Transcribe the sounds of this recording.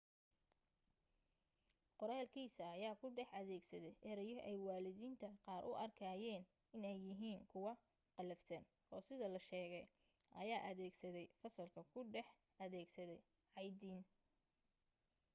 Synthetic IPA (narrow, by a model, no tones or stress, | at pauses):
qʊɾaːlkʰiːsɐːjaːkʰʊɖɛħɐðɛːɡsɐðɛjʔɛɾɛjɔʔɛjwɑːlɪðiːnt̪ʰɐqɑːɾʔʊ̰ʔɐrkʰaːjɛːn | ɪnɛjːɪɦiːŋkʰʊwɑ | qɑlɐft̪ʰɐn | ʔɔːsɪðɐlɐʃɛːɣɛj | ʔɐjaːʔɐðɛːɡsɐðɛjfɐsɐlkʰɐkʰʊɖɛħ | ɐðɛːɡsɐðɛj | ʕɑjd̪iːn